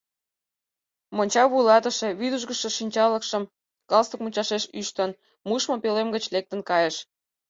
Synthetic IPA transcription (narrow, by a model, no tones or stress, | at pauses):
monʲt͡ɕɑβujlɑt̪əʃe̽βyd̪uʒɣəʃĕʃinʲt͡ɕɑləkʃəm | kɑlst̪uk̚mut͡ɕɑʃeʃyʃt̪ən | muʃmopelemɡət͡ɕlek̚t̪ənkɑjəʃ